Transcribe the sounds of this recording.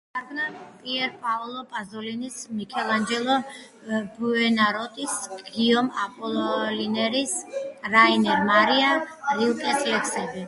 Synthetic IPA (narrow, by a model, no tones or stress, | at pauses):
aɾɡnapʼiɛɾpʼaɔlˠɔpʼazɔlinismikʰɛlˠand͡ʒɛlˠɔ | buɛnaɾɔt̪ʼisɡ̥iɔmapʼɔlˠɔlinɛɾisɾainɛɾmaɾiaɾilˠkʼɛslɛkʰsɛbi